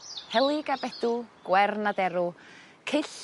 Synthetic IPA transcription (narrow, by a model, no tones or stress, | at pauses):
hɛlˠɪɡabɛd̥uɡ̥wɛrnadɛɾu | kʰɪɬ